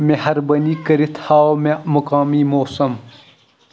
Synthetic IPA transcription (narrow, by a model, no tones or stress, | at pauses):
mehɐɾbɐniːkɐɾit̪ʰhaːomemɐkaːmiːmoːsɐm